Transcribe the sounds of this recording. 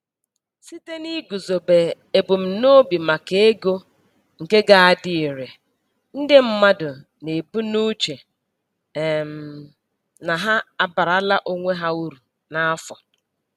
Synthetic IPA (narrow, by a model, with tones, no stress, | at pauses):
si˦te˦ni˦ɡu˨zo˨be˨ | e˨bu˨m̩˨no˦bi˨ma˨ke˨e˦ɡo˦ | ŋ̩˨ke˦ɡa˦a˨dɪ˦i˨ɾe˨ | n̩˦dɪ˦m̩˦ma˦dʊ˨ | ne˨bu˦nu˦t͡ʃe˨ | m̩˨ | na˨ɦa˦a˦ba˨ɾa˦la˦ʔo˦ŋʷe˦ɦa˦u˦ɾu˨ | na˨˦a˦fɔ˨